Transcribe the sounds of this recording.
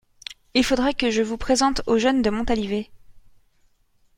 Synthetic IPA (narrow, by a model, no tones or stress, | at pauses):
ilfod̪ʁɛkəʒəvupχezɑ̃t̪oʒœnd̪əmɔ̃t̪alive